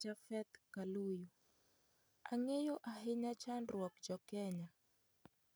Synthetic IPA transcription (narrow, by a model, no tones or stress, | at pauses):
d͡ʒafɛt̪kaluju | a̰ŋejoʔaɦeɲat͡ʃandwɔkd͡ʒɔkɛɲa